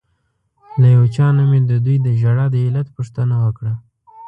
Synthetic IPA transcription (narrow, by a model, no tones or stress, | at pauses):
lajawt͡ʃɑnamed̪əd̪ujd̪əʒaɽɑd̪əɪlat̪puʂt̪ənawəkɽa